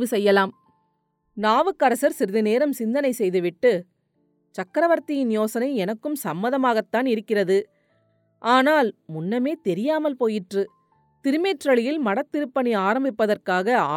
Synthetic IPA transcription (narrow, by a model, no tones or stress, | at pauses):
ʋɯsɛjːɐlaːm | naːʋɯkːɐɾɐsɐɾsɪɾɯðɐneːɾɐmsɪnd̪ɐnɐɪsɛjðɯʋɪʈːɯ | t͡ʃɐkːɾɐʋɐɾt̪ɪjɪnjoːsɐnɐɪɛnɐkːɯmsɐmːɐðɐmaːɣɐt̪ːaːnɪɾɯkːɪrɐðɯ | ʔaːnaːlmʊnːɐmeːt̪ɛɾɪjaːmɐlpoːjɪʈrɯ | t̪ɪɾɯmeːʈrɐɭɪjɪlmɐɽɐt̪ːɪɾɯpːɐniaːɾɐmbɪpːɐðɐrkaːɣɐaː